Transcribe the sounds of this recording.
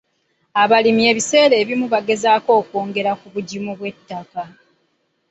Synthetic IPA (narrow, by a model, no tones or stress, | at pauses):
aβalimie̞ːβise̞ːɾe̞ːβimuβaɡe̞zaːko̞ːkoːŋɡe̞ɾakuβuɟimuβwe̞tːaka